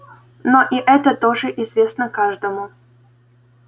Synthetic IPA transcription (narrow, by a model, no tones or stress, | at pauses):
noʔiʔɛt̪ət̪oʐɨʔɪzvʲesnəkaʐd̪əmʊ